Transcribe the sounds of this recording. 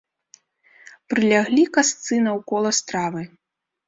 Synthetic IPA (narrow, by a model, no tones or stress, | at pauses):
pɾɨlʲaɣlʲikast̪sɨnɐwkɔlˠɐst̪ɾavɨ